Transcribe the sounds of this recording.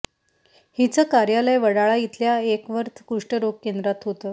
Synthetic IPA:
hit͡səːkaɾjaləjʋəɽaɭait̪ljaekʋəɾt̪ʰkuʂʈəɾoɡ̚kːend̪ɾat̪ɦot̪əː

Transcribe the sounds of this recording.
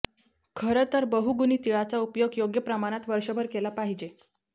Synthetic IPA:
kʰəɾət̪əɾbəɦuɡuniːt̪iɭat͡saupjoɡjoɡjəpɾəmaɽ̃at̪ʋəɾʂəbʱəɾkelapaɦid͡ʑe

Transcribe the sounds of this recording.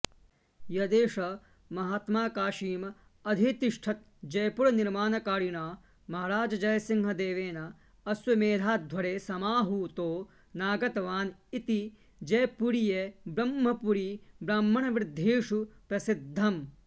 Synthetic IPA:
jɐd̪eːʂɐ | mɐɦaːt̪maːkaːʃiːmɐ | ɐd̪ʱit̪iʂʈʰɐt̪̚ | d͡ʒɐjpuɾɐniɾmaːnɐkaːɾinaː | mɐɦaɾaːd͡ʒɐd͡ʒɐjɐsiŋɡɐd̪eːʋeːnɐ | ɐsʋɐmeːd̪ʱaːd̪ʱʋɐɽeːsɐmaːɦut̪oː | naːɡɐt̪ɐʋaːnit̪i | d͡ʒɐjpuɾijebɾɐmːɐpuɾibɾɐmːɐɳɐʋɾɪd̪ʱːeːʂupɾɐsid̪ʱːɐm

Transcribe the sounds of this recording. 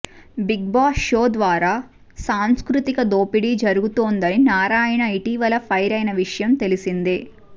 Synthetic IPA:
biɡ̚baːsʃoːd̪ʋaːɾaː | saːmskɾut̪ikɐd̪oːpiɽid͡ʒɐɾuɡut̪oːnd̪ɐninaːɾaːjɐnɐiʈiːʋɐlɐpʰɐjɾɐjnɐʋiʂɐjɐmt̪e̞lisind̪i

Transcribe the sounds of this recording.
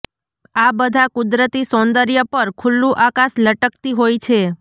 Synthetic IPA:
abəd̪ʱakʊd̪ɾət̪isɔ̃nd̪əɾjəpəɾkʰulːũʔakaʃləʈəkt̪iɦojt͡ʃʰe

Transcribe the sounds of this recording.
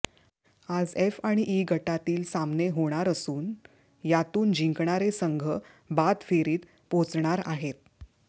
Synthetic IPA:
ad͡zefaɽ̃iʔiɡʱəʈat̪iːlsamneɦoɽ̃aɾəsuːn | jat̪uːnd͡ʑiŋkɳaɾesəŋɡʱə | bad̪feɾiːt̪ | pot͡sɳaɾaɦet̪̚

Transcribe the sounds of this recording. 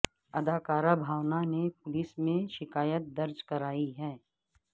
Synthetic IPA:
ɐd̪ʱaːkaːɾabʱaːʋnanepʊlɪsmẽʃɪkaːjət̪̚d̪ɐɾd͡ʒkɐɾaːiɦɛː

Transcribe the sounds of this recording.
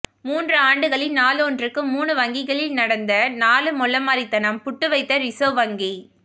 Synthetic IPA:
muːndrɯaːɳɖɯɣɐɭɪlnaːlɔndrɯkːɯmuːnɯʋɐŋɡɪɣɐɭɪlnɐɽɐnd̪ɐnaːlɯmɔlːɐmaːɾɪt̪ːɐnɐmpʊʈːɯʋɐɪt̪ːɐɾɪsoːʋɐŋɡi

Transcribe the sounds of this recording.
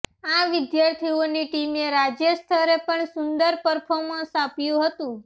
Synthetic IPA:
aʋɪd̪jaɾt̪ʰioniʈimeɾad͡ʒjəst̪ʰəɾepəɳsʊnd̪əɾpəɾpʰomãsapjũɦət̪ũ

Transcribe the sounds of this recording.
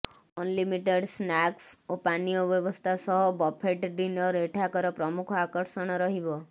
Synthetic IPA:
ɔnlimiʈeɖsnaksopanijoʋjɔʋɔst̪ʰasɔɦɔbɔpʰeʈɖinɔɾeʈʰakɔɾɔpɾɔmukʰakəɾʃɔɽ̃ɔɾɔɦibɔ

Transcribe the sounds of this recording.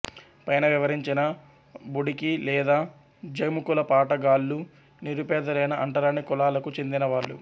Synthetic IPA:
pɐjnɐʋiʋɐɾiɲt͡ʃinɐ | buɽikilɛːd̪aː | d͡ʒɐmukulɐpaːʈɐɡaːlːu | niɾupɛːd̪ɐɾɐjnɐʔɐɳʈɐlaːnikɔlaːlɐkut͡ʃe̞nd̪inɐʋaːɭːṵ

